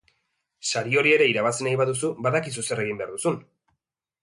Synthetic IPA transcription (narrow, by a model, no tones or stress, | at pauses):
saɾio̞ɾie̞ɾe̞iɾaβ̞asenajβaðusuβbaðakisusere̞ɣ̞imbe̞aɾðusun